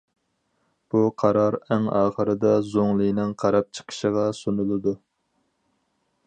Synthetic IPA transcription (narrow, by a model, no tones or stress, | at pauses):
b̥uqʰɑɾɑɾæŋɑːχəɾɨd̪ɑzoŋlˠɨjnɨŋqʰɑɾɑp̚t͡ʃʰə̥qʰə̥ʃəʁɑsunɨlˠɨd̪u